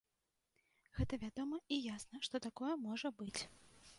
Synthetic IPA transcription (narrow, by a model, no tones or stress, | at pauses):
ɣɛt̪ɐvʲad̪ɔmɐijasnɐʂt̪ɔt̪akɔjɛmɔʐɐbɨt͡sʲ